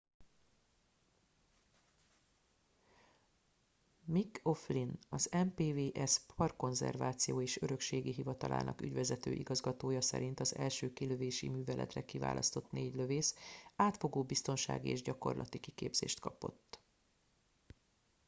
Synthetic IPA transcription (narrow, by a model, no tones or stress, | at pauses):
miko̞flinɒzɛmpeːveːʔɛspʰɒrko̞nzɛ̰rvaːt̪sijoːeːʃøɾø̞kʃeːɡiɦivɒt̪ɒlʔa̰ːnʔɒ̰ky̰ɟvɛzɛt̪ø̰ːʔiɡɒzɡɒt̪oːjɒsɛ̰ɾʔint̪ɒzɛlʃøːkiløveːʃḭmyːvɛlʔɛ̰t̪rɛkiva̰ːlʔɒ̰st̪o̞t̪neːɟlø̞veːsaːt̪fo̞ɡoːbist̪o̞nʃa̰ːɡḭeːʒɟɒko̞̰rlʔɒt̪ikikḛːbz̥ḛːʃt̪kɒpo̞̰t̪ː